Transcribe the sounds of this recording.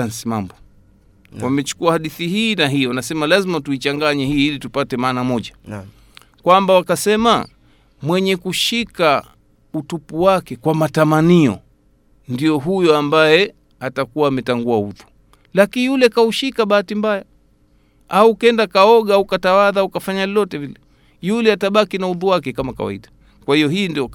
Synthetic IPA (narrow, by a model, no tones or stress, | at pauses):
ansimambɔ | wamɛt͡ʃu̥kuahaɗiθihiːnaɦiɔwanasɛmalazimatuit͡ʃaŋɡaɲɛhiːlitupatɛmaːnamɔʄa | kwambawakasɛma | mwɛɲɛkuʃika | utupuwakɛkwamatamaniɔ̰ | ndijɔɦujɔambajɛ | atakuwaːmɛtaŋɡuauðu̥ | lakinjulɛkauʃikaɓaatimbaja | aukɛndakaɔɠaaukatawaðaukafaɲalɔlɔtɛvilɛ | julɛataɓakinauðuwakɛkamaka̰wa̰ḭɗa | kwahijɔhiːndiɔ